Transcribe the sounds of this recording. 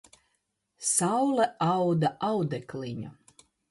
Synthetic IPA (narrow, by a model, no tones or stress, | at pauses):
sawlˠɛawd̪aʔawd̪ɛkliɲṵ